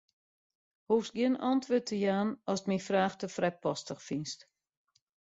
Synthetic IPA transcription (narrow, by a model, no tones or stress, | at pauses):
hufsɡjiənɔntʰʋøtʰəjaːnɔsətmifraːxtəfrɛpɔstəxfinst